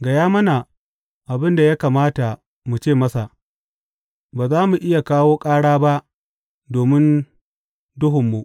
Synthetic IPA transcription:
ɡɐ˨jaː˦mɐ˦na˨ | ʔa˨bɪ˦nda˨ja˦kaː˨maː˦ta˨ | mu˨t͡ʃeː˦˨mɐ˦sa˨ʔ | baː˨zaː˦mu˨ʔɪ˦ja˨kaː˦woː˦kʼaː˦ɽaː˦ba˦ʔ | doː˨mɪ˦n | dʊ˦ɦʊ˨mːu˨ʔ

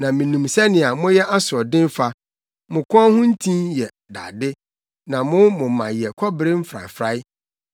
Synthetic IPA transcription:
nã˨mĩ˨nũ˨msɛ˦nɪ̃˨a˨mʊ̃˦jɛ˦ʔa˦sʊ˨ɔ˨dɪ̃˦n˦fa˦ | mʊ̃˨kʰɔ̃˦hʊ̃˦n̩˦tʰĩ˦njɛ˨ | da̰˨dɪ˦ | nã˨mʊ̃˦mʊ̃˨mã̰˨jɛ˨kʰɔ˦bɪ˨ɾɪ˦m̩˦fɾa̰˨fɾa˦ɪ˦

